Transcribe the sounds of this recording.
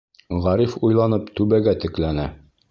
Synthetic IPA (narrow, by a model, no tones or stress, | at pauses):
ʁɒɾifujlˠɑnɤpt̪ʉbæɡæt̪ɘ̆klænæ